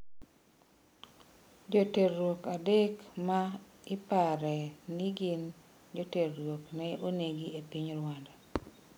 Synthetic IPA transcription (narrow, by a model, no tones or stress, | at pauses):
d͡ʒoterwokadekma | ɪpaɾɛniɡin | d͡ʒoterːwoknɛoneɡiepiɲɾwanda